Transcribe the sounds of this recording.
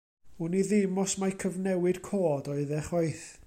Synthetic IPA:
ʊniðɪmɔsmakʰəvnɛwɨd̥kʰoːdɔɨðɛχɔɨθ

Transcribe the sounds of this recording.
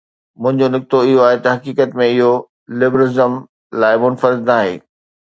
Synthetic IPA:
mʊ̃ɦɪ̃ɲd͡ʑonɪk̚t̪oɪɦoaːɦet̪ɐɦɐkiːkət̪mẽɪɦo | lɪbɾɪzəm | laːɪmʊnfəɾɪd̪naːɦḛː

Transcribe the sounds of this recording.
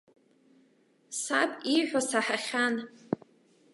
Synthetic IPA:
sapʼiħʷᶣasaħaχʲan

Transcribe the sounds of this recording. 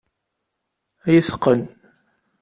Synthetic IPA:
æjəθə̥qːən

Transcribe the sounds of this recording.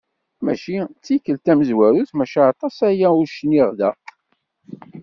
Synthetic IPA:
mæʃit͡sːikːəlt̪æməzwæɾuθmæʃaɑt̪ˤɑsæjæuɾʃnːiʁðæ

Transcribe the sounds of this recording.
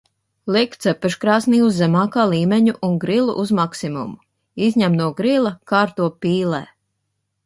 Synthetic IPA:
lˠikt̪sɛpɛʃkɾaːsniːuzːɛmɑːkaːlˠiːmʲeɲuʔunɡɾilˠṵʔuzmaksimṵmu | izʲɲæmnuɔɡɾilˠɐkaːɾt̪uɔpiːlɛ̰ː

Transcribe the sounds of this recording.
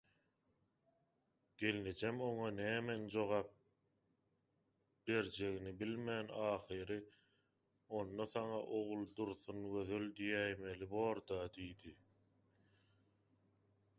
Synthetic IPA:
ɡ̥e̞lned͡ʒemo̞ŋɑnæːmend͡ʒo̞ʁɑːp̚ | b̥e̞ɾd͡ʒe̞ɣinibilmæːnɑːχɯɾɯ | o̞nːɑθɑŋɑʔo̞ʁulˠd̪uɾθunɡø̞ðøld̪ijæjme̞liboːɾd̪ɑd̪ijd̪i

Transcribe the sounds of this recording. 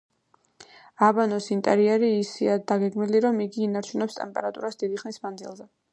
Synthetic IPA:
abanɔsint̪ʼɛ̰ɾiɛɾiːsiad̪aɡɛɡmiliɾɔmiɡiːnaɾt͡ʃʰunɛpst̪ʼɛmpʼɛɾat̪ʼuɾasd̪̥id̪iχnismand̪zḭlˠzɛ

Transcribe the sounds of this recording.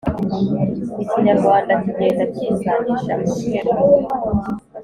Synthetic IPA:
iciɲaɾɡwaːndatiɲeːndaciːŋɡaniʃamueɾa

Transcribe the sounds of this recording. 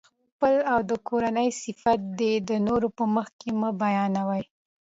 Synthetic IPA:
x | pəlawd̪əkʰoɾanəjsɪfat̪̚d̪ed̪ənoɾopəməxkeməbajɑnawəj

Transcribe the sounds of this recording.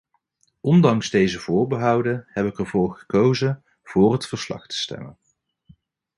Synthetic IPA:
ʔɔndɑŋzdejzəv̥ʊːɹbəɦɑwdənhɛbɪkəɹvʊːɹχə̥kowzən | v̥ʊːrɦətfəɹslɑ̰χtə̥stɛ̰mən

